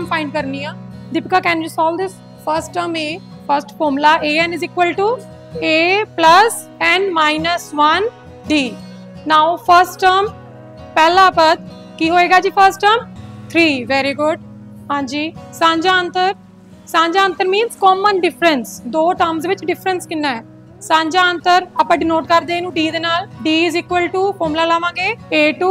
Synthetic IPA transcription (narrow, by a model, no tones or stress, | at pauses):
mfãɪ̃ɳɖ̚kɐɾniad̪ɪpkakɛ̃njusɔːld̪ɪs | fəɾsʈʈəme | fɐɾsʈfoːmlaʔeɛ̃nɪziːkʋəlʈu | eplɐs | ɛ̃nmaːɪnəsʋɐn | ɖiː | naːʊfəɾsʈʈəɾm | pɛɦlabɐd̪̚ | kiːɦoːeɡaːd͡ʑiːfəɾsʈəːmt̪ʰɾiːʋɛːɾiɡʊɖ | ɦãːɲd͡ʒiːsãːɲd͡ʒaːə̃nt̪əɾ | sãːɲd͡ʒaːə̃nt̪əɾmĩːnzkɔːmənɖɪfɾənsd̪oːʈəɾmzd̪eːʋɪt͡ʃɖɪfɾə̃nskɪnːaːɛː | sãːɲd͡ʒaːə̃nt̪əɾapãːɖɪnoːʈkəɾd̪ẽːnũːɖiːd̪eːnaːlɖiːɪzikʋəlʈuːfoːmlaːlaːʋãːɡeːeːʈuː